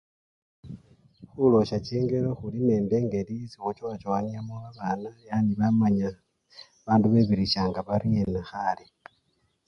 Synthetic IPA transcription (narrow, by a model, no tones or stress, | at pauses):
xulo̞ʃat͡ʃiːŋɡe̞ɾo̞xuline̞ːmde̞ːŋɡe̞lisixot͡ʃoat͡ʃoaniamuaβanajaːndiβamaɲa | βaːnduβe̞βiɾiʃaːŋɡaβaɾienaxali